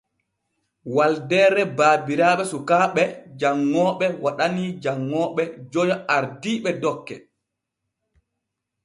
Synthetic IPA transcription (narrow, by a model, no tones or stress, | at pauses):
waldɛɾɛbaːbiɾaːɓɛsukaːɓɛd͡ʒaŋːɔːɓɛwaɗanid͡ʒaŋːɔːɓɛd͡ʒɔjaaɾdiːɓɛdɔkːɛ̰